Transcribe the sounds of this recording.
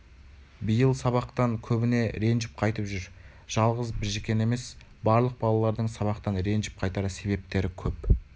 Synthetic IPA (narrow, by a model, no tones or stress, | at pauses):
bəjəlˠsɑβɑqt̪ɑŋkʲʰɵβɪne̞ɾe̞nʒɪp̚qʰɑjt̪əpʒʏɾ | ʒ̥ɑlˠʁəzbɪɾʒekʲe̞ne̞me̞s | bɑɾlˠəq̚bɑlˠɑlˠɑɾd̪əɴsɑβɑqt̪ɑnɾe̞nʒɪ̥p̚qʰɑjt̪ɑɾəse̞βe̞p̚t̪e̞ɾɪkʲʰɵp